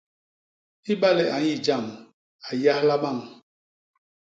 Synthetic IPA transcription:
i˦ɓa˦lɛ˦ʔa˨ɲi˦˨d͡ʒa˦˨m | a˨ja˦hla˦ɓa˦˨ŋ

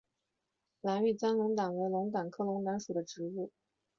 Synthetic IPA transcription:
la˧˥ny˥˩t͡sa˥nlʊ˧˥ŋt̪ɑ˨˩ŋwe˧˥ɪlʊ˧˥ŋt̪aɑ˨˩ŋkʰɤ˥˩lʊ˧˥ŋt̪a˧˥nʂu˨˩d̪ə˦ʈ͡ʂɻ̩˧˥u˥˩

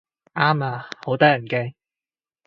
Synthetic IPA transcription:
ʔaː˥maː˧ho˨˥wt̪ɐː˥jɐ˨˩nkɛː˥

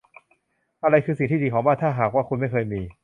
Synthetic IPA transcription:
ʔa˧ɾa˧jkʰɯː˧s̬i˨˩ŋt̪iː˥d̪iː˧˩ɔː˩˦ŋbaː˥˩nt̪ʰaː˥˩ɦaː˨˩kwaː˥˩kʰu˧nma˥˩jkɤː˧jmiː˧

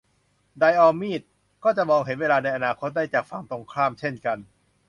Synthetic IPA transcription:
da˧jʔɔː˧miː˥˩t̪̚ | kɔː˥˩t͡ɕa˨˩mɔː˧ŋɦe˩˦nweː˧laː˧na˧jʔa˧naː˧kʰo˦˥t̪̚daː˥˩jt͡ɕaː˨˩k̚fa˧ŋt̪o˧ŋkʰɾaː˥˩mt͡ɕʰe˥˩nka˧n

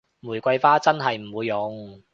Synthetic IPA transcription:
muː˨˩jkʷɐ˧jfaː˥t͡sɐ˥nɦɐ˨jm̩˨˩wuː˨˧jːʊ˨˥ŋ

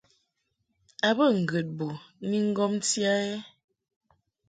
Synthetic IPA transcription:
a˨bə˦˨ŋ̩˨ɡə˨t̚bɔ˨ni˦ŋ̩˦ɡɔ˦m˦tja˦e˦

